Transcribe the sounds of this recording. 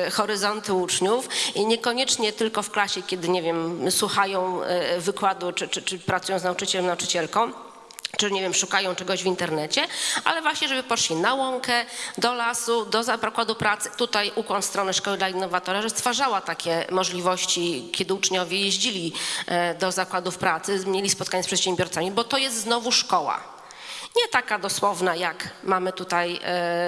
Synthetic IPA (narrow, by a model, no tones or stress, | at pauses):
xɔɾɘzɔnt̪ut͡ʂɲufɲɛkɔɲɛt͡ʂɲɛt̪ɘlkɔfklaɕɛkʲɛd̪ɘɲevʲjɛmswuxajɔ̃w̃vɘkwad̪ut͡ʂɘt͡ʂɘt͡ʂɘpɾat̪sujɔ̃w̃znaut͡ʂɘt͡ɕɛlɛmnaut͡ʂɘ̥t͡ɕɛlkɔ̃w̃ | t͡ʂɘɲevʲjɛmʂukajɔ̃w̃t͡ʂɛɡɔʑvint̪ɛɾnɛt͡ɕɛʔa̰lɛvwaɕɲɛʐɛbɘpɔʂlʲinawɔŋkɛd̪ɔlasud̪ɔzapakwad̪upɾat̪sɘ̥t̪ut̪ajʔukwanst̪ɾɔnɛʂkɔwɘd̪lainːɔvat̪ɔɾaʐɔst̪faʐawat̪akʲɛmɔʐlʲivɔɕt͡ɕikʲɛd̪ɘut͡ʂɲɔvʲjɛjeʑd͡ʑilʲi | d̪ɔzakwad̪ufpɾat̪sɘmɲjelʲispɔt̪̚kaɲɛspʂɛt̪ɕɛmbʲɔɾt̪samʲibɔt̪ɔjɛst̪znɔvuʂkɔwa̰ | ɲɛt̪akad̪ɔswɔvnajakmamɘt̪ut̪aj